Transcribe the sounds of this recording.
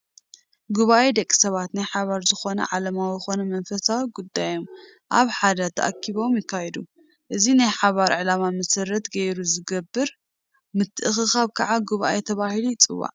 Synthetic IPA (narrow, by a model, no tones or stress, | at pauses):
ɡuβaʔed̪ɐkʼːi̥sɐβat̪najħaβaɾzɨxo̞nɐ̰ʕalɐmawɨxo̞nɐmɐnfɐsawiɡud̪ːajo̞m | ʔa̰βħad̪ɐt̪ʰɐ̰ʔa̰kʰːiβo̞mjɪkʰːajɛd̪u | ʔɨzinajħaβaɾʕɨlamamɐsɐɾːɐt̪ɡɐjɾuzɨɡɐbːɨɾ | mɨt̪ʰːɨʔɨxɨxaβkʰɐʕaɡuβa̰ʔet̪ʰɐβahilujɪt͡sʼɨwːa̰ʕ